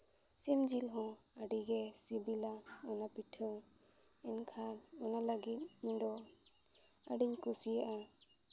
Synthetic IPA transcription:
simd͡ʒilɦɔ̃ | aɖiɡɛsibilaɔnapiʈʰəw | ɛnkʰaɔnalaɡit̪̚dɔ | a̰ɖiɲkusijaʔa

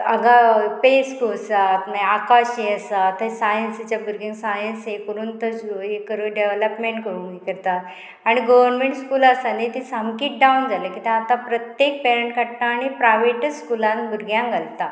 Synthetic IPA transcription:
əɡapeskosat̪maakaɕeəsat̪ːəsajənsit͡ɕjabʱuɾɡjãŋsajənsɦekoɾuːnt̪əɦekːəɾəɖeʋləpmeɳʈkəɾũŋikəɾt̪at̪ | aɽ̃iɡoʋəɾnmẽɳʈskuːlasanet̪isamkiːʈ̚ɖawnd͡zalekit̪ɛ̃at̪ãpɾət̪jek̚peɾəɳʈkaɽt̪aːɽ̃ipɾajʋeʈskulãnbʱuɾɡʱjãŋɡʱalt̪a

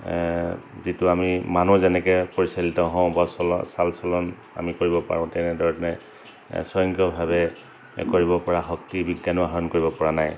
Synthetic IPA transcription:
zitʊamimanuzɛnɛkɛpɔɹisalitɔɦɔ̃ʊ̃basɔlɔ̰salsɔlɔn | a̰mikoɹibɔpa̰ɹʊ̃tɛnɛdʱɔɹɛtnɛ | sɔjɔŋkɔbʱabɛ | koɹibɔpɔɹaxɔk̚tibiɡjanɔɦaɔnkoɹibɔpɔɹanaj

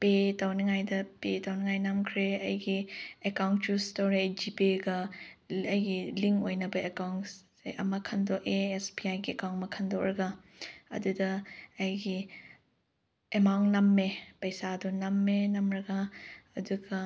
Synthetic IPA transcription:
petawniŋajdɐpetawniŋajnɐmkʰɾeɐjɡiekawntjustoɾed͡ʒipiɡɐ | ɐjɡiliŋojnɐbɐekawn | ʔɐ̰mɐkʰɐndoʔeespiajɡiekawnmɐkʰɐndawɾɐɡaɐ̰dudɐɐjɡi | emawnnɐmːepɐjsadunɐmːenɐmɾɐɡaɐduɡɐ

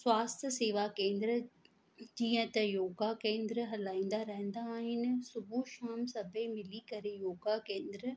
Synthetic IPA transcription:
swaːst̪ʰəseːʋakẽːnd̪ɾə | d͡ʑiːə̃t̪ɐjoːɡakẽːnd̪ɾəɦɐlaːĩːn̆d̪aɾɐɦə̃n̆d̪aːɦɪnɪ̆sʊbʱuʃaːmsɐbʱẽmɪlikɐɾejoːɡakẽːnd̪ɾə

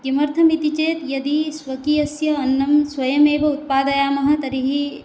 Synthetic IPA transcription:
ɡimɐɾt̪ʰɐmit̪it͡ʃeːt̪jɐd̪isʋɐkijɐsjɐːnːɐmsʋɐjɐmeːʋɐut̪̚paːd̪ɐjaːmɐɦɐ̆t̪ɐɾiɦi

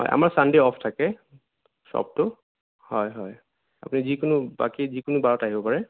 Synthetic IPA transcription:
ɦɔ̰jʔa̰maɹsandeɔpʰtʰakɛ | sɔ̰b̚tʊ | hɔjɦɔj | apʊnizikʊnʊba̰kizikʊnubaɹɔtaɦibɔpaɹɛ

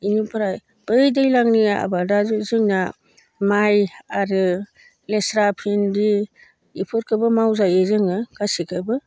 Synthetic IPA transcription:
inipʰɾaj | b̥ɯjdɯjlaŋnijaa̰badazuzɯŋna | majaɾɯ | lesɾapʰindi | ipʰɯɾkʰɯbɯmawzajezɯŋɯkasikʰɯbɯ

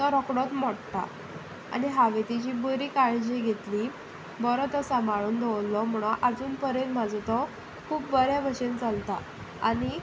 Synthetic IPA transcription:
t̪ɔɾɔkɽɔt̪mɔɽt̪a̰ | a̰niɦaʋet̪it͡ɕiːboɾiːkaɭd͡ʑeɡʱet̪liː | bɔɾɔt̪əsamaɭuːnd̪ʱɔwlːɔmuɽ̃ɔ̃ʔad͡zuːnpəɾent̪mad͡zʱɔt̪ɔ | kʰuːpːəɾjaʋəɾɕent͡salt̪a | a̰ñi

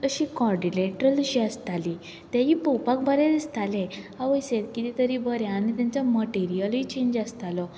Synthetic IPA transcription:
əɕikɔɾɖileʈɾəlɕiast̪ali | t̪jãɦipɔpak̚bʱəɾed̪ist̪alẽaʋəjset̪kit̪it̪əɾibʱəɾjãːnit̪jãnt͡sɔməʈeɾijəlit͡ɕẽɲd͡ʑast̪alɔ

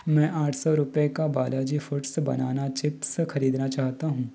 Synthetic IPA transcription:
mɛ̃ːʔaːʈʰsɔɾʊpekabaːlaːd͡ʒifʊʈsbɐ̰naːnat͡ʃɪpsxɐɾiːd̪nat͡ʃaːɦt̪aɦũː

